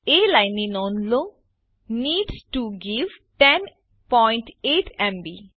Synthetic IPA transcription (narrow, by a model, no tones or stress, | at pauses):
elaɪnĩnõːnlo | niːɖsʈuɡiʋ | ʈɛ̃n | pɔɪ̃ɳʈeːʈʰɛ̃mbi